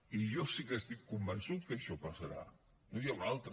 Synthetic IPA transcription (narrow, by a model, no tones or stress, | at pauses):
iʒɔsikəst̪ikːumbənsut̪kəʃɔpasəɾa̰ | nojawɾalˠt̪ɾ